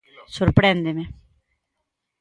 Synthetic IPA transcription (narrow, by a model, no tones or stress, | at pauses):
soɾpɾend̪eme